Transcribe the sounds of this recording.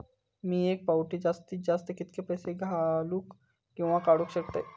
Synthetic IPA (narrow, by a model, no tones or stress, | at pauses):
mĩeːk̚paʊʈid͡ʒaːst̪id͡ʒaːst̪ekɪt̪kepɛːseɡʱaluk | kõʋãkaːɽukʃɐk̚t̪eː